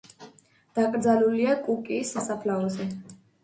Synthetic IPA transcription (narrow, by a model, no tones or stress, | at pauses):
d̪̥akʼɾd̪zaluliakʼukʼiːsasapʰlaɔzɛ